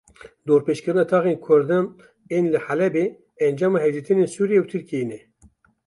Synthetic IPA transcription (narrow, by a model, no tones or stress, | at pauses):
d̪oːɾpeːʃkɨɾɨnɑːt̪ʰɑːɣeːnkʰʊɾd̪ɨm | eːnlɨħalɛbeː | ɛnd͡ʒɑːmɑːɦɛd͡ʒit̪ɨneːnsuːɾijewt̪ʰɨɾkienɛ